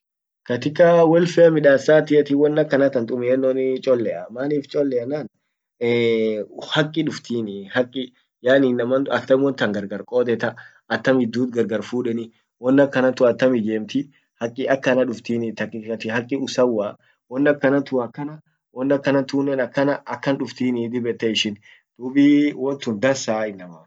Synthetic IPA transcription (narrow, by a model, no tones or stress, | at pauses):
kɐt̪ɪkɐwɛlfɛɐmɪᶑaːsːaːt̪ɪʔɛt̪ɪwɔnːɐkːɐnɐt̪ɐnt̪ʼʊmɪɛnːonɪt͡ʃʼɔlːɛʔɐmaːniːft͡ʃʼɔlːɛɐnaːnː | hɐkʼːɪᶑʊft̪iːnɪhɐkʼːɪ | jaːniːnːɐmɐɐt̪ːɐmwɔnt̪ɐŋɡɐɾɡɐɾkʼoːt̪ɛt̪ɐ | ɐt̪ːɐmhɪd̪ːuːt̪ɡɐɾɡɐɾfuːᶑɛnɪ | wɔnːɐkːɐnɐt̪ʊɐt̪ːɐmɪd͡ʒeːmt̪ɪ | hɐkʼːɪʔɐkːɐnɐᶑʊft̪iːnɪt̪ɐkʼːɪɐt̪ɪɦɐkʼːɪʊsɐwːaː | wɔnːɐkːɐnɐt̪ʊɐkːɐnɐ | wɔnːɐkːɐnɐt̪uːnːɛnɐkːɐnɐɐkːɐnᶑʊft̪iːnɪd̪ɪbɛt̪ːɛɪʃɪn | d̪̥uːbiːwɔnt̪ʊnd̪ɐsaːɪnːɐmɐ